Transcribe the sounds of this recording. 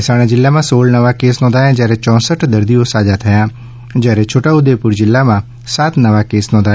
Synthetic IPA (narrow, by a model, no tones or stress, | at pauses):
ɪsaːɽ̃ãd͡ʒɪlːamãsoːlnəʋakeːsnɔ̃ːd̪aːjãːd͡ʒɛːɾet͡ʃɔ̃ːsəʈd̪əɾd̪ijõsaːd͡ʒat̪ʰəjãː | d͡ʒɛːɾet͡ʃʰoːʈaʊd̪epʊɾd͡ʒɪlːamã | sat̪nəʋakeːsnɔ̃ːd̪aː